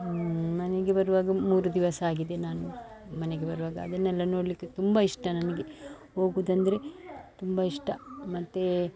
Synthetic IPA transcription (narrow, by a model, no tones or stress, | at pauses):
mɐneɡe̞bɐɾuʋaːɡɐmuːɾud̪iʋɐsɐaːɡid̪e̞naːnu | mɐneɡe̞bɐɾuʋaːɡɐːd̪ɐnːɛlːɐnoːɽlikːet̪umbɐiʂʈɐnɐnɐɡe̞ | ho̞ːɡuʋːd̪ɐnd̪ɐɾe̞t̪umbɐiʂʈɐmɐt̪ːe